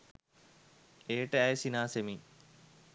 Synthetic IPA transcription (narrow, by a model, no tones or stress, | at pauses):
eːʈəæjsinaːsemi